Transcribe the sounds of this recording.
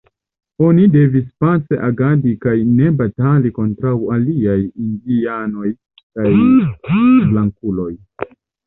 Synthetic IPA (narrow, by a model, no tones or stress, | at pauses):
o̞nide̞vispaseʔaɡadikajne̞bataliko̞ntɾawaliajindiano̞j | kaj | blaŋkulo̞j